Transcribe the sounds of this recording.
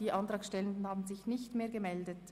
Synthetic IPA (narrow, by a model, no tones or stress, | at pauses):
d̥iːʔɑntʁɑːkʃtɛləndn̩haːbn̩zɪçnɪçtmeːɐɡəmɛldət